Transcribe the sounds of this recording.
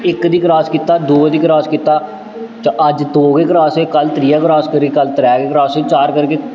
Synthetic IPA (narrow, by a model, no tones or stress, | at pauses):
ɪkd̪iːkɾaːskiːt̪aːd̪oːd̪iːkɾaːskiːt̪aː | t͡ʃʔəd͡ʒt̪oːɡeːkəɾaːseːkəlt̪ɾiːaːkəɾaːskəɾɡeːkəlt̪əɾɛːɡeːkəɾaːseːt͡ʃaːɾkəɾkeː